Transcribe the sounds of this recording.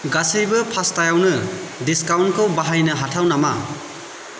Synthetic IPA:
ɡasɯjbɯpʰastajawnɯdiskawnkʰɯwbaɦajnɯɦatʰawnama

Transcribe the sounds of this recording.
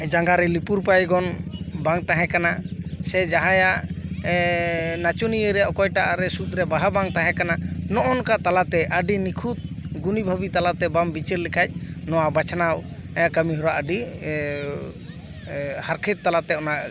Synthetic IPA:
d͡ʒaŋɡaɾɛlipuɾpajɡɔnbaŋt̪aɦɛ̃kanasɛd͡ʒaɦãjaʔ | nat͡ʃunijəɾɛʔɔkɔjʈaʔaɾɛsut̪̚ˀɾɛbaɦabaŋt̪aɦɛ̃kananɔʔɔnkaʔt̪alat̪ɛʔəɖinikʰut̪̚ɡunibʱabit̪alat̪ɛbambit͡ʃəɾlikʰac̚ˀnɔwabat͡ʃʰanawɛakəmiɦɔɾaʔəɖi | haɾkʰɛt̪̚ːalat̪ɛɔnaʔ

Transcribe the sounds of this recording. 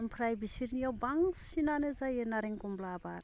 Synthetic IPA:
mpɾajbisiɾniawbaŋsinanezajenaɾiŋkumblabaɾ

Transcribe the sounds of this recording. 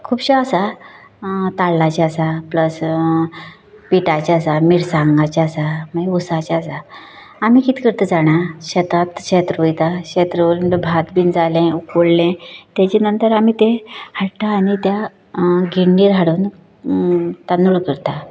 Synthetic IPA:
kʰuːbɕaəsa | t̪alːat͡ɕaəsapləs | piʈat͡ɕasamiɽsãŋɡat͡ɕaːsamaiusat͡ɕasa | amiːkit̪i̥kəɾt̪əd͡zaɽ̃aɕət̪at̪ɕet̪ɾujt̪aɕet̪ɾəlbʱat̪biːnd͡zalɛ̃ukoɽlɛ̃t̪jat͡ɕinənt̪əɾam̤iːt̪ehaɽt̪aːñit̪ja | ɡiɳɖiːɾɦaɽuːn | t̪anuɭkəɾt̪a

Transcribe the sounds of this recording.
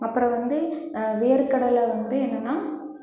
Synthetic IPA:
ɐpːɯɾɐ̃ʋɐnd̪ɯʋejɐɾkɐɽɐlɐʋɐnd̪ɯɛnːɐnːaː

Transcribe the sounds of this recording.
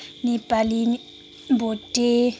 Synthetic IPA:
nib̥alin | mbʱotʼe

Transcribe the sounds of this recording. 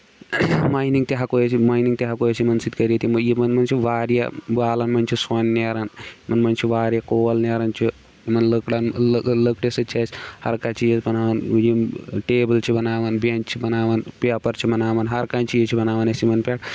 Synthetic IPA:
maːjniŋɡ̚t̪iɦakoːjet͡ʃimaːjniŋt̪iɦakoːjesimɐnsit̪kɐɾit̪ʰimjimɐnmɐnt͡ʃʰiʋaːɾja̰baːlɐnmɐnt͡ʃʰiswɐnːaːɾanmɐnmɐnt͡ʃʰiʋaːɾjakoːɐlneːɾɐnt͡ʃʰi | jimɐnlɐkɽɐnlɐkɽesɨt͡ʃʰeːt͡ʃʰhɐɾkaːt͡ʃiːd͡ʒɐsbɐnaːʋɐnjiʈeːbɐlt͡ʃʰibɐnaːʋɐnbent͡ʃt͡ʃʰibɐnaːʋɐnpʲaːpɐɾt͡ʃʰibɐnaːʋɐnɦɐɾkaːnt͡ʃiːjt͡ʃʰibɐnaːʋɐnesimɐnpʲaːʈʰ

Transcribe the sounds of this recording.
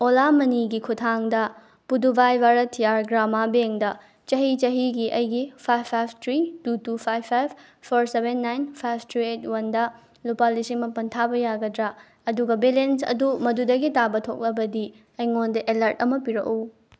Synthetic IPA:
olamɐniɡikʰutʰaŋdɐ | pudubʱajbaɾɐtʰijaɾɡɾamabeŋdɐ | t͡ʃɐɦit͡ʃɐɦiɡiʔɐjɡipʰajpʰːajbʰtʰɾitutupʰajpʰːajbpʰoɾsebenːajnpʰajb̚ʰtʰɾiet̚ʰwɐndɐ | lupalisimɐpɐntʰabɐjaɡɐdɾɐ | ɐduɡɐbelensɐ̰dumɐdudɐɡitabɐtʰok̚lɐbɐdi | ɐjŋondɐʔelɐɾtɐmɐpiɾɐ̰k̚u

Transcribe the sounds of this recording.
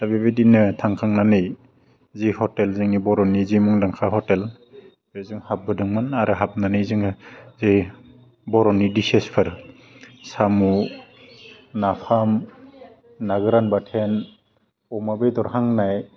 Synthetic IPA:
dabebedinɯtʰaŋkʰaŋnanɯj | zihɔtelzɯŋnibɔɾɔnizimuŋlaŋkʰahɔtel | bezɯŋhap̚bɯdɯŋmanaɾɯɦap̚nanɯjzɯŋzi | bɔɾɔnidisespʰɯɾ | samu | napʰam | naɡɯɾanbatʰen | ɔmabejdɔɾhaŋnaj

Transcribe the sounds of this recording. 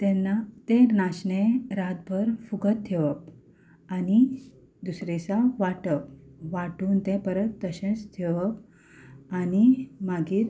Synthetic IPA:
t̪enat̪enaɕɳẽɾat̪̚bʱəɾfuɡət̪ʰːeʋəp̚ | ani | d̪usɾet͡saʋaʈəpʋaʈuːnt̪ẽpəɾət̪ːəɕẽst̪ʰeʋəp | animaɡiːt̪

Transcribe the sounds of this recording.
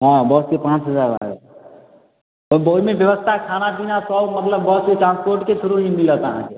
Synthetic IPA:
ɦãbəskepãt͡ʃɦəd͡ʒaɾã̰ḛ | bəɦmebjəʋəst̪ʰakʰanapinasəbmət̪ləbːəskeʈɾãnspoɾʈkesʰuɾuɦimilət̪əɦãke

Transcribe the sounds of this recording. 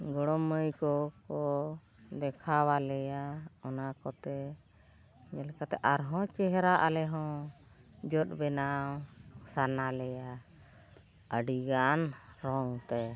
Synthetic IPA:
ɡɔɽɔməjkɔkɔ | d̪ɛkʰawalɛjaɔnakɔt̪ɛ | ɲɛlɛkat̪ɛʔaɾɦɔ̃t͡ʃɛɦɛɾaʔalɛɦɔ̃ | d͡ʒɔt̪̚ˀbɛnawsanalɛja | əɖiɡanɾɔŋt̪ɛ

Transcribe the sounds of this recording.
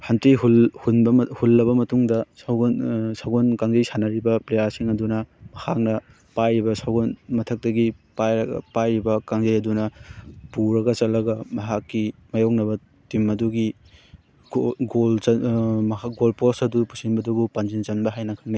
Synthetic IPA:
hɐntiɦulhunbɐhulːɐβɐmɐtuŋdɐsawɡnsawɡonkaŋd͡ʒɐjsanɐɾibɐplejaɾsiŋɐdunɐmɐhak̚nɐ | pajɾibɐsawɡonmɐtʰɐk̚tɐɡipajpajɾibɐkaŋzɐjɐdunɐpuɾɐɡɐt͡ʃɐlɐɡɐmɐɦakːimɐjawknɐbɐ | timɐduɡi | ɡoɡolmaɡolposɐdupu̥sinbɐdubupand͡ʒint͡ʃɐnbɐɦajnɐkʰɐŋnaj

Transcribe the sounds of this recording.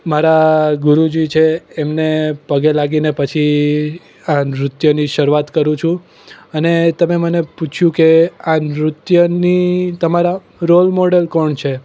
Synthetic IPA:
maɾaɡʊɾud͡ʒit͡ʃʰeːmnepəɡelaɡinepət͡ʃʰi | anɾʊt̪jəniʃəɾuʋat̪kəɾũt͡ʃʰũ | ənet̪əmeməneput͡ʃʰjũkeanɾʊt̪jənit̪əmaɾa | ɾolmoɖelkɔɳt͡ʃʰe

